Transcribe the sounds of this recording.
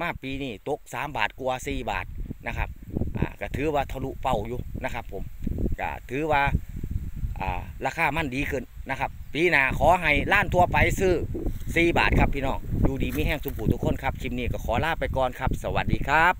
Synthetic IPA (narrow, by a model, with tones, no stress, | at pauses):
maː˧˩piː˨˧niː˧˩t̪o˧˦˥k̚saː˨˦mbaː˨˩t̪̚ku˧ɐsiː˧˩ba̰ː˨˩t̪̚na˧˩kʰa˧˥p̚ʔa̰ː˨˩ka˧˩t̪ʰɯː˨˦waː˧t̪ʰa˧lu˧ʔpa˧˩wjuː˧na˧˩kʰa˦˧˥pʰːo˨˦mka̰˧˩t̪ʰɯː˨˦waː˧ | ʔa̰ː˨˩laː˧˩kʰaː˧˩ma˧˥˨ndiː˨˦kʰɯ˧˩˨nːa˧kʰa˧p̚piː˨˧˦naː˨kʰɔː˨˦ɦa˧jlaː˧˥˨nt̪ʰu˧ɐpa˨jsɯː˧˩siː˧˩ba̰ː˨˩t̪̚kʰa˦˧˩pʰːiː˧nɔː˧˩ŋjuː˧˩diː˨˦miː˧˥˨ɦɛː˧˩ŋsu˧˦mpʰuː˧˩t̪ʰu˧kʰːo˧˥˨nkʰa˧˥p̚t͡ɕʰi˧˦m̚niː˧˩kɔ˧˩kʰɔː˨˦laː˧˩˨pa˧˦jkɔː˧˨nkʰa˦˥p̚sa˧wa˨˩t̪̚diː˧˦kʰa˦˥p̚